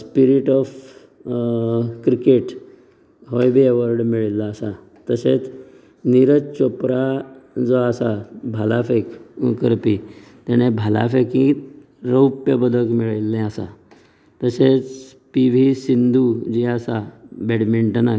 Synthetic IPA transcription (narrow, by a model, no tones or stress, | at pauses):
spiɾiʈɔf | kɾikeʈ | ɦɔjbʱieʋəɾɖmiɭilːaːsa | t̪əset͡s | niɾət͡ɕopɾad͡zɔasabʱalafekukəɾpi | t̪aɽ̃ebʱala̰fekĩ | ɾəwpjəbəd̪ʱəkmiɭilːẽasa̰ | t̪əset͡s | piʋisind̪ʱud͡ʑiasabɛɽmiɳʈna